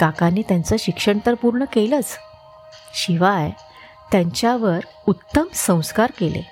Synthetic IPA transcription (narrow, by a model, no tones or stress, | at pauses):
kakãnːiːt̪jãnt͡səɕikʂəɳt̪əɾpuɾɳəkelət͡s | ɕiʋaj | t̪jãɲt͡ɕjaʋəɾ | ut̪ːəmsə̃w̃skaɾkelḛ